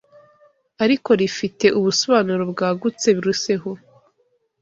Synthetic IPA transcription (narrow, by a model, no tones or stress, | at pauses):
aɾiko̞ɾifite̞ʔuβusoβaːnuɾobɡaːɡut͡se̞βiɾuse̞ɦo